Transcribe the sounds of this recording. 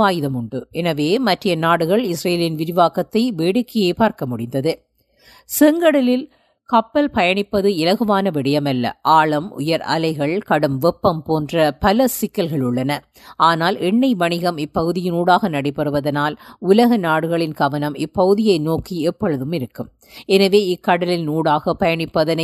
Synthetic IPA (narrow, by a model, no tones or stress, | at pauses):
aːjɪðɐmʊɳɖɯɛnɐʋeːmɐʈrɐjɐnaːɽɯɣɐɭɪsɾeːlɪnʋɪɾɪʋaːkɐt̪ːɐɪʋeːɽɯkːɪjeːpaːɾkɐmʊɽɪnd̪ɐðɯ | sɛŋɡɐɽɐlɪl | kɐpːɐlpɐjɐɳɪpːɐðɯɪlɐɣɯmaːnɐʋɪɽɐjɐmɐlːɐ̰ʔaːɭɐmʊ̰jɐɾɐ̰lɐɪɣɐɭkɐɽɯmʋɛpːɐmpoːndrɐpɐlɐsɪkːɐlɣɐɭʊɭːɐnɐ | aːnaːlʔɛɳːɐɪʋɐɳɪɣɐmɪpːɐɣɯðɪjɪnuːɽaːɣɐnɐɽɐɪpːɐɾɯʋɐðɐnaːlʊlɐɣɐnaːɽɯɣɐɭɪnkɐʋɐnɐmɪpːɐɣɯðɪjɐɪnoːkiɛpːɔɻɯðɯmɪɾɯkːɯm | ɛnɐʋeːɪkːɐɽɐlɪlnuːɽaːɣɐpɐjɐɳɪpːɐðɐnɐ